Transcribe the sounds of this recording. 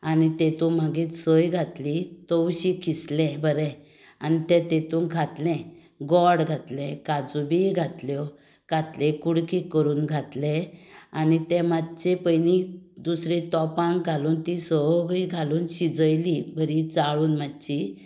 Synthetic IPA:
anit̪et̪ũmaɡit̪səjɡʱat̪lit̪əwɕikʰislɛ̃bəɾɛ̃ | anit̪ɛ̃t̪et̪ũnɡʱat̪lɛ̃ | ɡɔɽɡʱat̪lɛ̃kad͡zubiɡʱat̪ljɔ | ɡ̥ʱat̪lɛ̃kuɽkikəɾuːnɡʱat̪lɛ̃anit̪ɛ̃mad̪t͡ɕepəjnid̪usɾit̪ɔpãŋɡɡʱaluːnt̪isɔɡɭiɡʱaluːnɕid͡zəjlibʱəɾit͡saɭuːnmatːt͡ɕi

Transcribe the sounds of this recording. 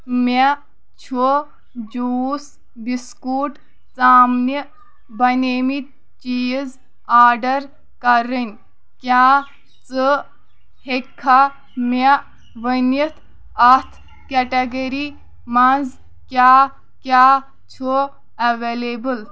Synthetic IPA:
me | t͡ʃʰo | d͡ʒuːs | biskuːʈ | t͡saːmni | bɐneːmit̪̚ | t͡ʃiːz | aːɖɐɾ | kɐɾənʲ | kʲjaː | t͡sɨ | hekʰːa | mɐ | ʋənit̪ʰ | ɐt̪ʰ | keʈɐɡeɾi | mɐnz | kjaː | kʲaː | t͡ʃʰo | ɐʋeːlebɨl

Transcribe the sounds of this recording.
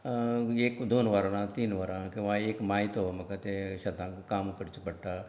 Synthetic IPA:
eːkd̪oːnʋaːɾãːnãt̪iːnʋaːɾãːkeʋãeːkmaːit̪omɐkət̪eʃɐt̪ãːkkaːmkəɾt͡ʃpɐɽʈaː

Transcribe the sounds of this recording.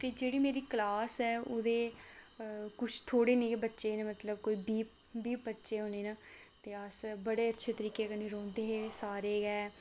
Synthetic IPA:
t̪eːd͡ʒeːɽiːmeːɾiːkəlaːsɛːoːd̪eː | kʊt͡ʃʰt̪ʰoːɽeːnĩːbətːʃeːnẽmət̪ləb̚koːiːbiːp̚ | biːp̚bətːʃeːɦoneːnaːt̪eːəsbəɽeːətːʃʰeːt̪əɾiːkeːkəniːɾɔ̃ːnd̪eːɦeːsaːɾeːɡɛː

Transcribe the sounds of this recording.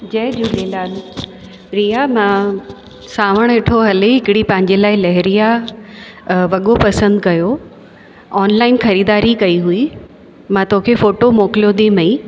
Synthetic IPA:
d͡ʑɐːɗuːleːlaːl | ɾijamã | saːʋəɽ̃eːʈʰoɦɐleɦɪkɪɽipɐ̃ɦɪ̃ɲd͡ʑelaːɪlɐɦɪɾija | ʋɐɠopɐsə̃nd̪kɐjo | ɔːnlaːɪnxɐɾiːd̪aːɾikɐiɦui | mãt̪okʰefoːʈomoːklijod̪ĩmɐ̃ĩ

